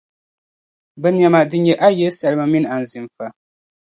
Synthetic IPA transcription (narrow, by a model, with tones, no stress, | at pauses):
bɛ˦n˨a˨ma˨dɨ˦ɲɛ˨ʔa˦jɛ˦sa˨lɨ˦ma˨mi˦n˨a˨n̩˨zɨ˨m˨fa˨